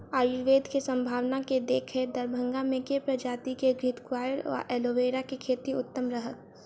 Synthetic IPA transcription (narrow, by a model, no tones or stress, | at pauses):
aːjʊiɾʋeːd̪ʱkesə̃mbʱaːʋnaked̪eːkʰed̪ɐɾbʱə̃ŋɡamẽkepɾəd͡ʒaːt̪ikeɡɾɪt̪kwaːjəɾa̰ʔɛːloːʋeːɾakekʰeːt̪iʊt̪ːəmɾəɦək̪